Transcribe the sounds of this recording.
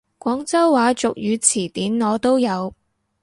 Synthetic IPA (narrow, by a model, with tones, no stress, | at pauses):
kʷɔː˨˥ŋt͡sɐ˥wːaː˨˧˥t͡sʊ˨k̚jyː˨˧t͡sʰiː˨˩t̪iː˨˥nŋɔː˨˧t̪o˥wjɐ˨˧w